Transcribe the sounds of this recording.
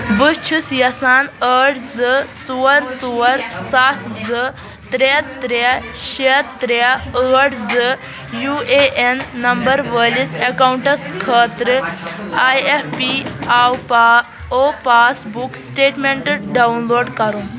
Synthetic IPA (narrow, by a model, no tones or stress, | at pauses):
bɨt͡ʃʰusjɐsaːnəʈd͡zɨt͡suʋəɾt͡suʋəɾsasʰd͡zɨ | t̪ɾet̪ɾe | ɕet̪ːɾeəʈd͡zɨ | jueʔenːɐmbɐɾʋəlisekawuɳʈɐskʰəːt̪ɾɨajefpiawa | opasbuksʈeːʈmeɳʈɨɖaunloːɖkɐɾu